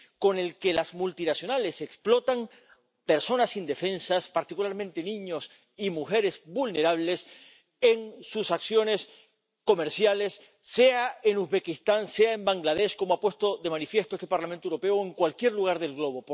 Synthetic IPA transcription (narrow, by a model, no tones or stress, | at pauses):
ko̞ne̞lkelazmult̪inasjonale̞se̞ksplo̞t̪aŋ | pe̞ɾso̞nasind̪e̞fe̞nsaspaɾt̪ikulaɾmẽnt̪e̞nĩɲo̞s | imuxe̞ɾe̞zbulne̞ɾaβ̞le̞s | e̞ŋsusaksjo̞ne̞s | ko̞me̞ɾsjale̞sː | e̞aenuzβe̞kist̪anse̞aembaŋɡlað̞e̞ʃko̞moapwe̞st̪o̞ðe̞mãnifje̞st̪oest̪e̞paɾlamẽnt̪oewɾo̞pe̞oeŋkwalkje̞ɾluɣ̞aɾðe̞lɣlo̞βo̞p